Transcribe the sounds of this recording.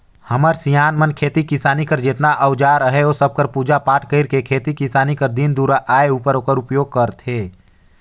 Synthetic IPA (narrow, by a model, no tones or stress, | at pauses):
həməɾsijaːnmənkʰeːt̪ikɪsaːnikəɾd͡ʒɪt̪naʔəʊd͡ʒaːɾəɦɛoːsəb̚kəɾpuːd͡ʒapaːʈkəɪɾkekʰeːt̪ikɪsaːnikəɾd̪ind̪uːɾaʔaːeuːpəɾoːkəɾʊpjoːɡ̚kəɾt̪ʰeː